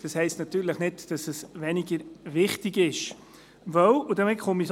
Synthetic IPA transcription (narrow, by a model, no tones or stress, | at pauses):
d̥ɑshɛɪstnɑt̪yːɾləχnɪtd̥ɑsəsvɛniɡəɾvɪχtɪɡɪʃ | vœwudəmɪtχʊmis